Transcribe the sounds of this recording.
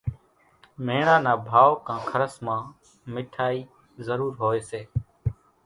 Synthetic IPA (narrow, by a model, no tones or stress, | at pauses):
meːɳãːnaːbʱaːʋkãːkʰəɾəsmãː | mɪʈʰaːiː | zəɾuːɾɦoːeːseː